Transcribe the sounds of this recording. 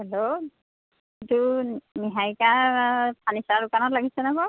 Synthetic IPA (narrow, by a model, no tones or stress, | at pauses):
hɛlo | ituniɦajkapʰanisalʊkanɔtlaɡisɛnakɔ